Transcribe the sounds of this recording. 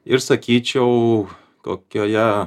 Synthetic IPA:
ɪɾsɐkʲiːt͡ʃʲɛʊ | k̪o̰ːkʲoːjæ

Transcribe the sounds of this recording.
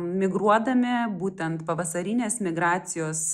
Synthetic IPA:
mʲɪɡɾuɔd̪ɐmʲɪbuːt̪ʲɛnt̪pɐʋɐsɐɾʲɪnʲeːsmʲɪɡɾɑːt̪sʲɪjoːs

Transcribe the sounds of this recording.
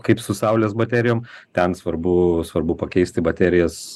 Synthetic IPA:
kɐɪpsʊsɐʊlʲeːsbɐt̪ʲæːɾʲɪjoːmt̪ʲɛnsʋɐrbʊsʋɐrbʊpɐkʲɛɪsʲt̪ʲɪbɐt̪ʲæːɾʲɪjɛs

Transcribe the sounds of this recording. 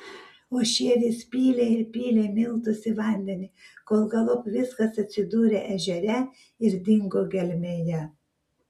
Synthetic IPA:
oːʃʲiɛʋʲiːspʲiːlʲeːɪɾpʲiːlʲeːmʲɪlˠˑt̪ʊsʲɪʋɐˑnʲd̪ʲɛnʲɪkoːlˠɡɐlˠʊpʋʲɪskɐsɐt̪ʲsʲɪd̪uːɾʲeʔɛʒʲɛɾʲɛ | ɪɾd̪ʲɪŋɡoːɡʲɛlʲmʲejɛ

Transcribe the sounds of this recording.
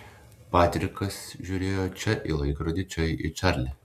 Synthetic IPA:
pɑːt̪ʲɾʲɪkɐsʒʲuːɾʲeːjoːt͡ʃʲɛʔḭlˠɐɪkɾoːd̪ʲɪt͡ʃʲɛɪʔḭt͡ʃʲɑɾʲlʲɪ

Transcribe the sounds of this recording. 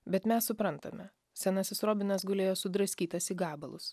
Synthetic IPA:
bʲɛt̪mʲɛssʊpɾɐnt̪ɐ̰mʲɛ | sʲɛnɐsʲɪsɾoːbʲɪnɐsɡʊlʲeːjoːsʊd̪ɾɐsʲkʲiːt̪ɐsiːɡɑːbɐlˠʊ̰s

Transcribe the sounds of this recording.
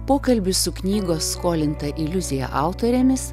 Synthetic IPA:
poːkɐlʲbʲʊsʊknʲiːɡoːsːkoːlʲɪnt̪ɐʔɪlʲʊzʲɪjɛ̰ʔɑˑʊt̪oːɾʲeːmʲɪs

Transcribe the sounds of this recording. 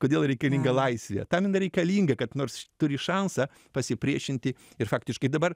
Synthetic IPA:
koːdʲeːlˠɾʲɛɪkɐlʲiːŋɡɐlˠɐɪsʲʋʲɛ̰t̪ɐmɪnɐɾʲɛɪkɐlʲiːŋɡɐkɐt̪noːɾst̪ʊɾʲɪʃɑnsɐ | pɐsʲɪpʲɾʲiɛʃʲɪnʲt̪ʲɪ | ɪɾfɑːkt̪ʲɪʃkɐɪd̪ɐbɐr

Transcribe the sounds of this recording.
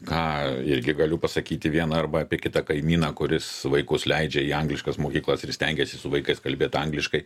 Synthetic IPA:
kɑːɪɾʲɡʲɪɡɐlʲʊpɐsɐkʲiːt̪ʲɪʋʲiɛnɐɐrbɐɐːpʲiɛkʲɪt̪ɐkɐɪmʲiːnɐːkʊɾʲɪsʋɐɪkʊslʲɛɪd͡ʒʲɛiːɐŋɡlʲɪʃkɐsmoːkʲiːklˠɐsɪrsʲt̪ʲɛŋʲɡʲɛsʲɪsʊʋɐɪkɐɪskɐlʲbʲeːt̪ɐŋɡlʲɪʃkɐɪ

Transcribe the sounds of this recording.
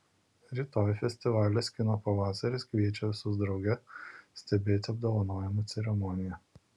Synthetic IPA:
ɾʲiːˑt̪oːjfʲɛsʲt̪ʲɪʋɑːlʲɛsʲkʲɪnoːpɐʋɑːsɐɾʲɪskʋʲiɛt͡ʃʲɛʋʲɪsʊzd̪ɾɐʊɡʲɛsʲt̪ʲɛbʲeːt̪ʲɐb̚d̪ɔʋɐnoːjɛmɐt̪sʲɛɾʲɛmɔːnʲɪjɛ

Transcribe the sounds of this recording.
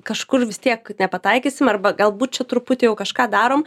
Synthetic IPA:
kɐʃkʊrʋʲɪst̪ʲiɛknʲɛpɐt̪ɐɪkʲisʲɪmɐrbɐɡɐlˠbuːt̪̚t͡ʃʲɛt̪ɾʊpʊt̪ʲɪːjɛʊkɐʃkɑːd̪ɑːɾoːm

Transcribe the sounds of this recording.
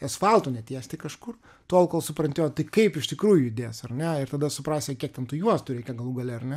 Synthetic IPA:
ɛsfɑlˠt̪oːnʲɛt̪ʲiɛsʲt̪ʲɪkɐʃkʊr | t̪oɔlˠkoːlˠsʊpɾɐnʲt̪ʲɪjɛt̪ɐɪkɐɪpɪʃt̪ʲɪkɾuːjʊɪd̪ʲeːjsɐrnʲɛɪɾt̪ɐd̪ɐsʊpɾɑːsʲeːkʲiɛk̚t̪ʲɛnt̪ʊjuɔst̪ʊɾʲɛɪkʲɛɡɐlˠuːɡɐlʲɛɐrnʲɛ

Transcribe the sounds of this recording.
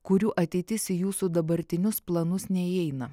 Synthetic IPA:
kʊɾʲuːʔɐt̪ʲɛɪt̪ʲɪsʲijuːsud̪ɐbɐɾʲt̪ʲɪnʲʊsplˠɐnʊsnʲɛiɛɪnɐ

